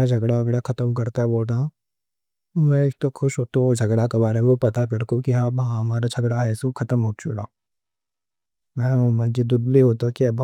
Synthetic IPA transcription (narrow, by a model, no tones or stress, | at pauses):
ad͡ʒʱɐɡɽaɐɡɽakʰɐt̪əmkɐɾt̪aɦɛboːlt̪a | mɛ̃ek̚t̪okʰʊʃɦoːt̪ood͡ʒʱɐɡɽakebaːɾemeopɐt̪apɪɽkokiɦãːbɦãɦɐmaːɾad͡ʒʰʱɐɡɽaɦɛːsukʰɐt̪əmɦoːt͡ʃuɾa | mɛ̃omə̃nd͡ʒid̪ʊd̪liɦoːt̪okib